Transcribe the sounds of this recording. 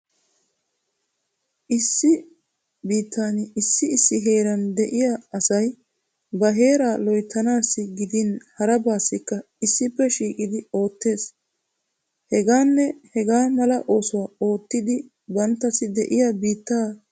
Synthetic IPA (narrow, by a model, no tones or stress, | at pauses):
ʔɪsːɪ | biːt̪ːaːnɪsːɪɪsːɪɦe̞ːɾɐnd̪ɛʔɪjaɐsɐj | bɐɦe̞ːɾaːlɔjt̪ːɐnaːsːɪɡɪd̪ɪnhɐɾɐbaːsːɪkːɐ | ɪsːɪpːɛʃiːkʼɪd̪ɪo̞ːt̪ːe̞ːs | hɛɡaːnːɛhɛɡaːmɐlɐʔo̞ːsʊwɐo̞ːt̪ːɪd̪ɪ | bɐnt̪ːɐsɪd̪ɛʔɪjabiːt̪ːaː